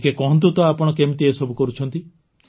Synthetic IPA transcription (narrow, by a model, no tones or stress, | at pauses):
kekɔɦɔnt̪̬ut̪ɔapɔɽ̃ɔkemit̪iesɔbukɔɾut͡ʃʰɔnt̪i | s